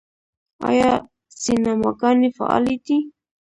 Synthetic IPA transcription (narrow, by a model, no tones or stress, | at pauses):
a̰ja | sinamakanifa̰ʔa̰lit̪i